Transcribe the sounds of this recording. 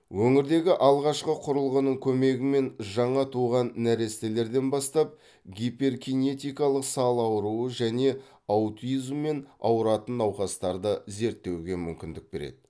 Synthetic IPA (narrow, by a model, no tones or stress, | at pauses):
wɵŋɪɾd̪e̞ɡʲɪʔɑlˠʁɑʃqəqʰʊɾəlˠʁənəɴkʲʰɵme̞ɡʲɪme̞nʒɑɴɑt̪ʰuʁɑnːæɾe̞st̪ele̞ɾd̪e̞nbɑst̪ɑp̚ | ɡʲiperɡʲine̞t̪ʲijkɑlˠəqsɑlˠɑwɾuwəʒæne̞ | ɑwt̪izmːe̞nɑ̰wəɾɑt̪ənɑwχɑst̪ɑɾd̪əze̞ɾt̪ːe̞wɡʲe̞mʏmkʲɪnd̪ɪk̚be̞̰ɾḛd̪ɪ